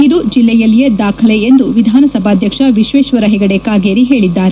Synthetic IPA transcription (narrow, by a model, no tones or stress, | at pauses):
id̪ud͡ʒilːɛjɐlːijɐd̪aːkʰɐleend̪uʋid̪ʱaːnɐsɐbʱaːd̪ʱjɐkʂɐʋiʃʋeːʃʋɐɾɐɦɛɡɐɽekaːɡeːɾiɦe̞ːɭid̪ːaːɾe